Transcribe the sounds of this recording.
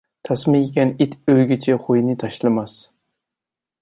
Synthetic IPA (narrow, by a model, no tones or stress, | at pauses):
t̪ʰɑsmɪɡʲɛnit̪øjɡʲit͡ʃʰɛχujnɪt̪ʰɑʃlˠɨmɑs